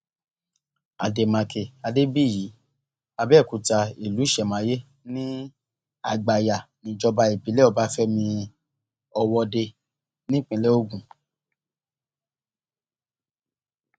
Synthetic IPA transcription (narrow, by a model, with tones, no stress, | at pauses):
a˨de˨mã˧ke˧˨a˧de˦bi˦˨ji˨˦ | a˧bɛː˦˨ku˨˧ta˧i˨lu˨˦˨ʃɛ˨mã˨˦je˦ | nĩ˦ | a˧˨ɡ͡ba˨ja˨nĩ˨d͡ʒɔ˧ba˧i˨bi˨˦lɛ˦ɔ˧˦ba˦fɛ˦mĩ˧ | ɔ˧wɔ˧de˧ | nĩ˦k͡pĩ˧˦lɛ˦o˦˨ɡũ˨